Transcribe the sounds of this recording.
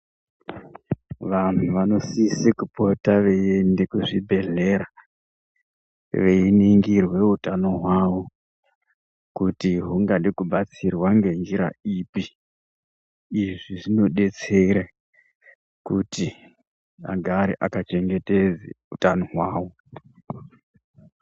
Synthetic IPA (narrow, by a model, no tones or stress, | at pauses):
ʋan̤uʋano̞sisikupo̞taʋe̞jendekuʐibʱe̞ɮe̞ɾa | ʋeiniŋɡirwe̞utano̞ɦwaʋo | kutiɦuŋɡaɗiekuɓat͡sirwaŋɡe̞nd͡ʒiɾa̰iːpi | ʐiʐino̞ɗe̞t͡se̞ɾa | kuti | a̰ɡʱaɾiʔakat͡ʃe̞ŋɡe̞ted͡zḛ | utanoɦwaːwo̞